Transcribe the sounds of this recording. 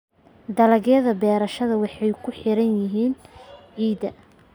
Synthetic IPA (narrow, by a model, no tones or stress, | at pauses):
d̪ɐlɐɣjɐðɐbɛːɾɐʃɐðɐwɑħɑjkʰʊħɪɾɐnjɪɦiːnʕiːd̪ɐ